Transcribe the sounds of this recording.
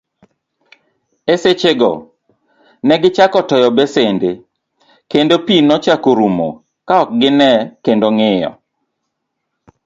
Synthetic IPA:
eset͡ʃeɡɔ̰ | nɛɡɪt͡ʃakɔtɔjɔbesende | kendopinɔt͡ʃakoɾumo̰ | kaɔk̚ɡɪnɛkendoŋɪjɔ̰

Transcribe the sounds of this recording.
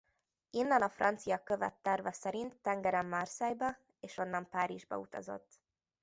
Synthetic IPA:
inːɛnɒfrɒnt̪sijɒkøvɛ̰t̪ːɛrvɒsɛɾint̪ːɛŋɡɛɾɛmːɒrsɛjbɒ | eːʃo̞nːɒmpaːɾiʒbɒ̰ut̪ɒ̰zo̞̰t̪ː

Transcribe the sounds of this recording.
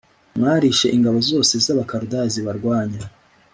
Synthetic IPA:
mŋaːɾiʃe̞ʔiŋɡaβo̞zo̞ːse̞zaβakaɾudaziβaɾɡwaːɲa

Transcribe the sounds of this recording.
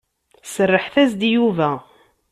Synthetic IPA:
sərːəħθæzd̪juvæ

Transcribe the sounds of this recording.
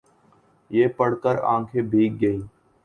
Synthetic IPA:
jeːpəɽkəɾã̰ːkʰebʱiːk̚ɡəiː

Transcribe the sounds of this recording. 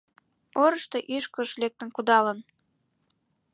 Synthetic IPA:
oɾə̆ʃt̪eʔyʃkə̆ʃlek̚t̪ə̆nkud̪ɑlən

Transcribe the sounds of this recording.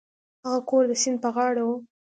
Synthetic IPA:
haɣakoɾd̪əsind̪̚pəɣɑɽawu

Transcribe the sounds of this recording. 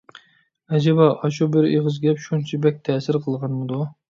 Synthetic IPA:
ɛd͡ʒɛbɑʔɑʃubɪɾeʁəzɡʲɛpʃunt͡ʃʰibɛk̚ʲt̪ʰɛːsɪɾqʰəlˠʁɑnmɨd̪u

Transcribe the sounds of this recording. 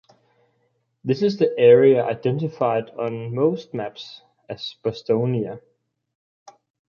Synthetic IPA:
ðɪsɪzðiʔɛɹiəʔaɪd̥ɛ̃ntɪfaɪdn̩moʊst̚mæps | æz̥b̥ɒstõʊniə

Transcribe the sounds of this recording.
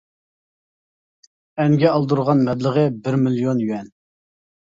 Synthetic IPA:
ɛŋɡʲɛɑlˠd̪uɾʁɑnmɛd̪ləʁəbɪɾmiljonjyɛn

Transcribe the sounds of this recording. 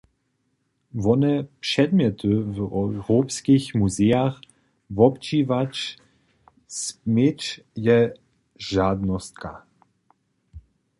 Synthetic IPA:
vɔnɛpʂɛd̪mjɛt̪ʰɨvɛwʁoːpskixmuzeax | vɔpt͡ʃivat͡ʃ | smet͡ʃ | jɛ | ʒaːd̪nɔst̪̚ka̰

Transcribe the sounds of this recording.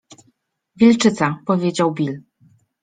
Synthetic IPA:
vʲilt͡ʂɘt̪sapɔvʲjed͡ʑawbʲil

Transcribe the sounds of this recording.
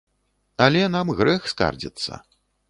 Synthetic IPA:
ɐlʲɛnamɣɾɛxska̰rd͡zʲḭt̪sːɐ̰

